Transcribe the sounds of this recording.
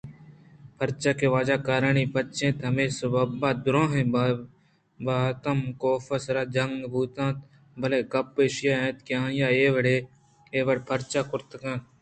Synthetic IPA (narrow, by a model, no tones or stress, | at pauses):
pʰɐɾt͡ʃaːkeʋaːd͡ʒaːkaːɾəɳipɐt̪t͡ʃẽːt̪ɐmẽːsɐbabaːd̪ʊɾõːɦẽː | baːt̪ɐmkoːfəsɾaːd͡ʒɐŋɡbʱuːt̪ãːt̪ | bɐleːkɐpeːʃjaːẽːt̪kjãːjaːeːʋəɽe | eːʋəɽpʰɐɾt͡ʃaːkʊɾt̪əkãːt̪